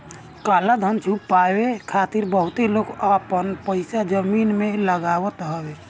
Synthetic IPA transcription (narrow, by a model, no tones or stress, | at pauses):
kaːlad̪ʱənt͡ʃʰuppaːwekʰaːt̪iɾbəɦʊt̪eloːɡapənpəɪsad͡ʒəmiːnmeləɡaːwət̪ɦɔwe